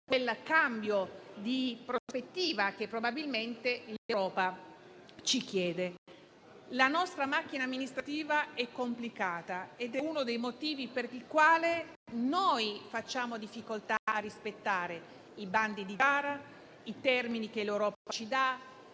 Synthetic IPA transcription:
kwelkambjod̪ipɾospet̪ːiːvak̟epːɾobabilment̪elewɾɔːpa | t͡ʃik̟jɛːd̪e | lanɔst̪ɾamak̟ːinaːmːinist̪ɾat̪iːvaɛkːomplikaːt̪aed̪ɛunod̪ejmot̪iːviperikwaːle | nojfat͡ʃːaːmod̪ifːikolt̪aarːispet̪ːaːɾe | iband̪id̪iaːɾa | it̪ɛrminikelewɾɔːpat͡ʃid̪a

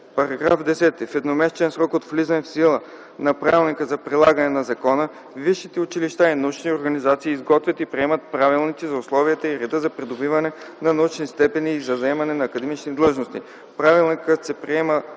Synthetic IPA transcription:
pɐɾɐɡɾa̰fd̪ɛsɛt̪ifɛd̪nomɛsɛt͡ʃɛnsɾɔkot̪flizɐnɛfsilˠə | nɐpɾavilˠnikəzɐpɾilˠaɡənɛnɐzɐkɔnə | viʃːit̪ɛʊt͡ʃiliʃt̪ainɐut͡ʃnioɾɡɐnizat̪siːzɡɔt̪vʲət̪ipɾiɛmət̪̚pɾavilˠnit̪sizɐʊslˠɔviət̪əiɾɛd̪əzɐpɾid̪obivɐnɛnɐnɐut͡ʃnist̪ɛpɛniːzɐzɐɛmɐnɛnɐːkɐd̪ɛmit͡ʃnid̪lˠɤʒnost̪ḭ | pɾavilˠnikət̪sɛpɾiɛmə

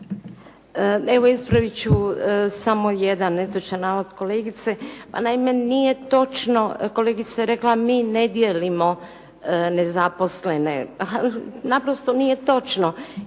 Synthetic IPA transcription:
e̞ʋoispɾaʋit͡ɕusamo̞jed̪anːet̪ot͡ʃanaːʋod̪ko̞leɡit̪se̞pa̰naime̞nije̞t̪o̞t͡ʃnoko̞leɡit̪sajeɾe̞klamiːne̞d̪jelimo̞ | ne̞zapo̞sle̞ne̞̰ | napɾost̪onije̞t̪o̞t͡ʃno

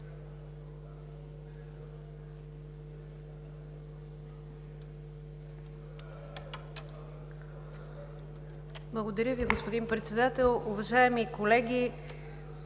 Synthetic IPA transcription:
blˠɐɡod̪ɐɾʲəviɡospod̪inpɾɛt̪sɛd̪at̪ɛlˠʊvɐʒaɛmikolɛɡʲi

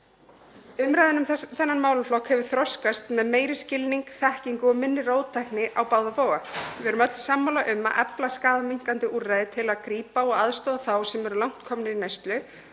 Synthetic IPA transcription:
ʏmɾajðɪnʏmθɛnːanmaːwlʏflɔkhɛvʏɾ̥θɾɔwskast̪mɛðmeːjɾɪscɪlniŋkθɛhciŋkʏɔmɪnːɪroːwt̪ʰajknɪʔawpaːwðapoːwɣavɪɛɾʏmœt̪l̥samːawlaʔʏmːa̰ʔɛplaskaːðamiŋ̥kant̪ɪʔurːajðɪt̪ʰɪlaðkɾiːpaɔɣaðst̪ɔːðaθawsɛmɛɾʏlawŋ̥t̪kʰɔmnɪinejst̪lʏ

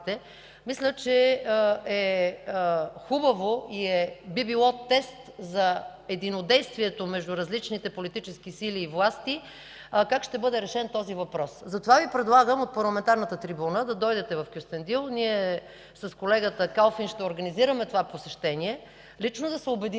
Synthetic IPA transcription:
t̪ɛ | mislʲət͡ʃɛ | ɛ | xubɐvoiɛbibilˠɔt̪ɛst̪zɐɛd̪inod̪ɛjst̪viɛt̪omɛʒd̪uɾɐzlit͡ʃnit̪ɛpolit̪it͡ʃɛsk̟isiliːvlˠast̪i | kakʃt̪ɛbɤd̪ɛɾɛʃɛnt̪ɔzivɐpɾɔszɐt̪ovavipɾɛd̪lˠaɡəmot̪̚pɐɾlˠɐmɛnt̪aɾnət̪ət̪ɾibunəd̪ɐd̪ɔjd̪ɛt̪ɛvɐfkʲust̪ɛnd̪ilˠniɛ | sɐskolɛɡət̪əkalˠfinʃt̪ɛoɾɡɐniziɾəmɛt̪ovaposɛʃt̪ɛniɛ | lit͡ʃnod̪ɐsɛobɛd̪i

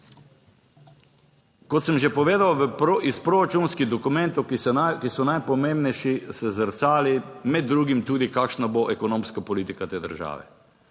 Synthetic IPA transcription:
kɔt̪səmʒɛpɔʋeːd̪awʋispɾoɾat͡ʃunskiɣd̪ɔkumɛ̃nt̪owkisɔnajpɔmẽmbnɛjʃisɛzəɾt̪saːlimɛd̪ːɾuːɡimt̪uːd̪ikaːkʃnaboʔɛkɔnõːmskapɔliːt̪ikat̪eːd̪ə̰ɾʒa̰ːʋɛ̰

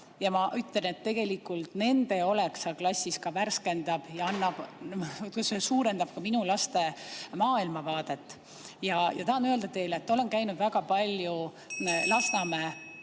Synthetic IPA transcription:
jɑmɑʔyt̪lene̞t̪ːe̞ɡ̥e̞likːˑult̪ne̞nd̪̥e̞o̞le̞ksɑklɑsʲːiskɑværske̞nd̪̥ɑb̥jɑɑnːɑb̥t̪kusesuːɾe̞nd̪̥ɑb̥̚kɑminulɑst̪e̞mɑːilmɑvɑːd̪̥e̞t̪ːˑ | jɑjɑ̰t̪ɑɑnøe̞ld̪ɑt̪e̞jlet̪ːo̞le̞nkæjnud̪væɡ̥ɑpɑlʲju | lɑsnɑme

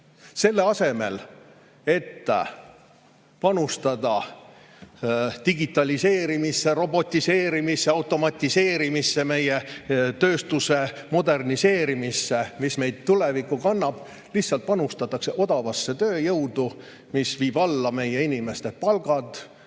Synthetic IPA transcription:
se̞lːe̞ɑse̞me̞̰l | e̞t̪ː | pɑnust̪ɑd̪̥ɑ | t̪iɡit̪ːˑɑlʲise̞ːɾimisːe̞ɾo̞bo̞t̪ʲːise̞ːɾimisːeɑwt̪ːˑo̞mɑt̪ʲˑːise̞ːɾimisːe̞me̞je̞t̪ø̞ːst̪use̞ | mo̞d̪e̞rnise̞ːɾimisːe̞misme̞jd̪̥̚t̪ːule̞vikːukɑnːɑb̥ | lihsɑlt̪̚pɑnust̪ɑt̪ːˑɑkse̞ʔo̞d̪ɑvɑsːe̞t̪ø̞ːjɤwd̪̥u | misviːb̥ɑlːɑme̞je̞inʲime̞st̪e̞pɑlɡ̥ɑd̪̥

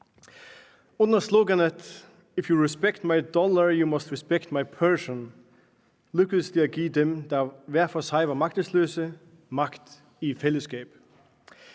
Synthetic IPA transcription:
ʊ̃nəsloɡənət | ɪfjuɹɪspɛkt̚maɪdɔlə˞jumʌstɹɪspɛktmaɪpʰɜ˞sə̃n | lʉkəsliaɡiːd̪ɛ̃md̪avɛɐfɔshaɪʋəmak̚təsløːsə | makt̪ | ifɛləskeɪp

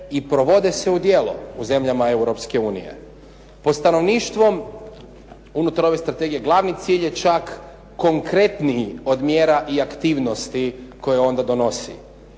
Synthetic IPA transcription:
ipɾo̞ʋo̞d̪ese̞ud̪je̞ːlṵuze̞mʎamae̞wɾo̞pske̞uːnḭje̞̰ | po̞d̪st̪ano̞ʋniːʃt̪ʋo̞m | unut̪aɾo̞ʋe̞st̪ɾat̪e̞ɡije̞ɡlˠaʋnit̪siːʎje̞t͡ʃakː | o̞ŋkɾe̞t̪nio̞d̪mjeːɾaʔiakt̪iːʋno̞st̪iko̞jeo̞nd̪ad̪o̞no̞sḭ

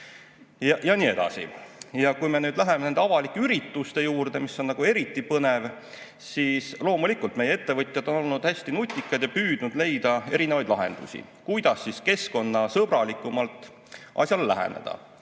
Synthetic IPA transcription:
jɑjɑniːe̞d̪̥ɑ̰sḭjɑkujme̞nyːd̪læɦe̞menend̪eɑvɑlikːeyɾit̪ˑːust̪e̞juːrd̪̥e̞misːo̞nːɑɡ̥ue̞ɾit̪ːˑipɤne̞v | siːslo̞ːmulikːˑult̪me̞jee̞t̪ːe̞vɤt̪ʲˑjɑd̪o̞no̞lnud̪̥hæsʲt̪inut̪ʲːˑikːˑɑd̪jɑpyːd̪̥nud̪̥le̞jd̪ɑe̞ɾinevɑjd̪lɑɦe̞̰nd̪̥ṵsʲḭ | kujd̪̥ɑsːiske̞sko̞nːɑsɤb̥ɾɑlikːˑumɑlt̪ːˑ | ʔɑ̰sjɑlːæ̰ɦḛnḛd̪̥ɑ̰

